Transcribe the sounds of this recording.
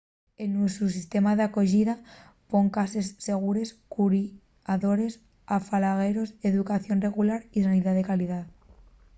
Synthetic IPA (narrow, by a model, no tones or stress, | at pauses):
enːusus̬ist̪e̞mað̞ako̞ʝiða | po̞ŋkase̞sːe̞ɣ̞uɾe̞skuɾi | aðo̞ɾe̞s | afalaɣ̞e̞ɾo̞se̞ðukaθjo̞nre̞ɣ̞ulaɾisaniðaðe̞kaliðað